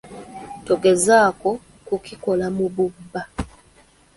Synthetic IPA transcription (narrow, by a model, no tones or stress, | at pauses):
toɡezaːko | kukiko̞lamuβubːa